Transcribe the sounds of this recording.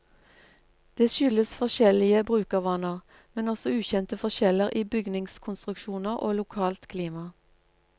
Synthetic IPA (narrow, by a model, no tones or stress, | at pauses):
d̪̥eːʃʏləsfɔʃɛlɪəbʁʉːkəʁʋɑnəʁ | mɛnɔsɔʉːçɛnt̪əfɔʃɛləʁiːbʏɡnɪŋskʰʊnst̪ʁʉkʃuːnəʁʔo̰ːlʊkʰɑːlt̪kʰliːmɑ